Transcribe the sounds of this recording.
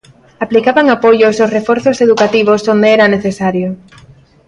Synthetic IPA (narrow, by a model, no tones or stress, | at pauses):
aplikaβaŋapoʎososrefɔɾθoseðukat̪iβ̞osond̪eɛɾaneθesaɾjo